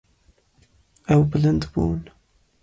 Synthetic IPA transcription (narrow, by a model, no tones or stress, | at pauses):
æwblənd̪bṵn